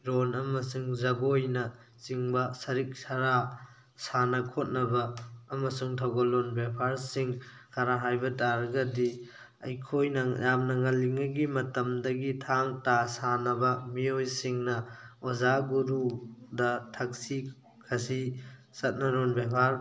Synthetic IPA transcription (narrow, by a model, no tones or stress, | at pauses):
ɾonɐmɐsuŋzɐbojnɐ | t͡ʃiŋbɐsɐɾik̚saɾa | sanɐkʰot̚nɐbɐːmɐsuŋtʰawɡalonbepʰaɾsiŋ | kʰɐɾaɦajbɐtaɾɐɡɐdi | ɐ̰jkʰojnɐjamnɐŋɐliŋɐɡimɐtɐmdɐɡitʰaŋtasanɐbɐmiojsiŋnɐozaɡuɾudɐtʰɐk̚si | kʰɐsisɐt̚nɐɾonbjapʰaɾ